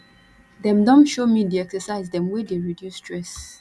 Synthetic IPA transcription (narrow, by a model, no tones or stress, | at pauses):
dɛ̃mdɔ̃nʃomideɛksəsaɪzdɛ̃mwedeɹidjustɹɛs